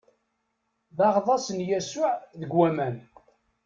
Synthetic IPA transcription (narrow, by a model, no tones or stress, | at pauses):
ðɑʁðˤɑsənjæsʊʕðəɡwæmæn